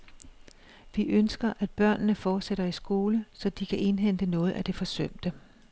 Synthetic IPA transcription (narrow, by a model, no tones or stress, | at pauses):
ʋiʔønsɡ̥ɐʔæd̥̚b̥ɶɐ̰nːəfɒːd̥seɾ̥ɐisɡ̥o̝ːləsɒ̽d̥ikʰæʔe̝nɦen̰d̥ənɔ̽ːð̞̩ˠæd̥e̝fɒ̽søm̰d̥ə